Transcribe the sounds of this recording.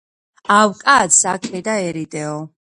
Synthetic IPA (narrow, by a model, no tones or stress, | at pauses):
awkʼat̪sakʰʼɛd̪aɛɾid̪ɛɔ